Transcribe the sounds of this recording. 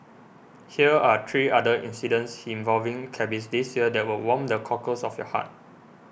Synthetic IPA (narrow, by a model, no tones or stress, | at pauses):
hiəat̪ʰɹiːadəʔḭ̃nsidə̃nsĩnvɔlvĩŋkʰɛbisdisjiədɛt̚wilwɔ̃mdəkʰɔkəsɔfjɔ̰ha̰t̚